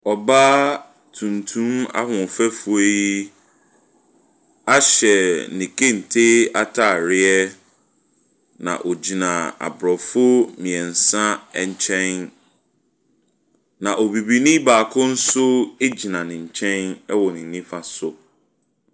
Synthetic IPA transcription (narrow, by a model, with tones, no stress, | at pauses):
ɔ˨baː˦ | tʰũ˨ntʰũ˦ma̰˦hʊ̃˨fɛ˦fu˦e˦ji˦ | a˦ɕɛ˨nĩ˨kʰe˦n̩˨tʰe˦a˦tʰa˨ɾɪ˦ɛ˦ | nã̰˨ʔɔ˨d͡ʑi˨nã˨a̰˨bɾɔ˨fʊ˦mĩ˨ɛ̃˨n̩˨sã˦˨ɲ̩˨t͡ɕʰɛ̃˦n | nã˨ʔɔ˨bi˨bi˦nĩ˦baː˨kʰʊ̃˦n̩˦sʊ˦e˦d͡ʑi˨nã˨nɪ̃˨ɲ̩˨t͡ɕʰɛ̃˦nɛ˦wɔ˨nɪ̃˨nĩ˦fa˨sʊ˨